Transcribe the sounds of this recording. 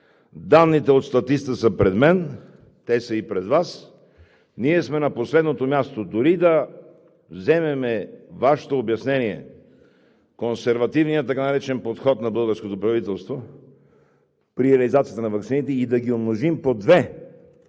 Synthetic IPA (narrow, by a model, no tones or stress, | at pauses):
d̪anːit̪ɛot̪st̪ɐt̪ist̪əsəpɾɛd̪mɛn | t̪ɛsəipɾɛd̪vas | niɛsmɛnɐposlɛd̪not̪omʲjast̪od̪ʊɾid̪ɐ | vzɛmɛmɛvaʃɛ̥t̪oːbjɐsnɛniɛ̰ | konsɛɾvɐt̪ivnijət̪ːɐkanɐɾɛt͡ʃɛnpot̪xɔt̪nɐbɤlˠɡəɾskot̪opɾɐvit̪ɛlˠst̪vo | pɾiɾɛɐlizat̪sijət̪ənɐvɐksinit̪ɛid̪ɐɡʲiomnoʒimpod̪vɛ